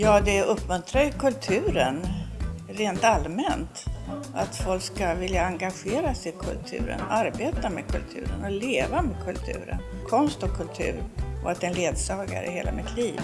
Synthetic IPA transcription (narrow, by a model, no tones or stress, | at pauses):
jɑːd̪ɛɵpːmɵnt̪ɾajɵkʰɵlt̪ʰʉ̟ːɾən | ɾeːnt̪almɛnt̪ʔat̪fɔlkskavɪljaaŋɡaɧeːɾasɪkʰɵ̰lt̪ʰʉ̟̰ːɾə̰naɾbeːt̪amɛkʰɵlt̪ʰʉ̟̰ːɾə̰nɔleːvamɛːd̪̚kʰɵlt̪ʰʉ̟̰ːɾə̰nkʰɔnst̪ɔkʰːɵlt̪ʰʉ̟̰ːɾʔɔat̪ɛnleːd̪sɑːɡa̰ɾɛ̰heːla̰mɪt̪ʰliːv